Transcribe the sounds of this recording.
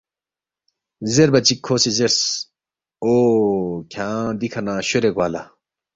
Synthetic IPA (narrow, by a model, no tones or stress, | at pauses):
zeɾbɐt͡ɕikʰːoːsezeɾs | oːkʰãːd̪ikʰɐnãːɕoɾeɡwaːla